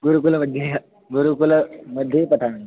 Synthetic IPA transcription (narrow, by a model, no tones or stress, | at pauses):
ɡuɾukulməd̪ʱje | ɡuɾukulmɐd̪ʱːjepɐʈʰaɽ